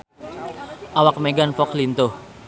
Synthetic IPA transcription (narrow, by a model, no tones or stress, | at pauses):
ʔawak̚meɡanfɔklint̪ʊh